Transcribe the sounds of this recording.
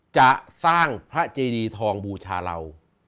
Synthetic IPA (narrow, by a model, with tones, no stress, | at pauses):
t͡ɕa˨˩ʔsaː˥˩ŋpʰɾa˦˥t͡ɕeː˧diː˧t̪ʰɔː˧ŋbuː˧t͡ɕʰaː˧la̰˧w